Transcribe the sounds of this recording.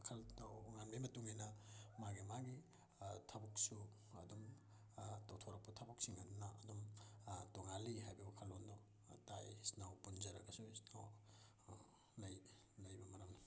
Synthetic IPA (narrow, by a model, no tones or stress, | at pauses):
kʰɐltawŋanbimɐtuŋijnɐmaɡimaɡi | tʰabuk̚su | ɐdum | tawtʰoɾɐk̚putʰabuk̚siŋɐdunɐɐdumtoŋaliɦajbɐukʰalondɔ | tajisnawpunzɐɾɐɡɐsuisnaw | lɐj | lɐjbɐmɐɾɐmnɐ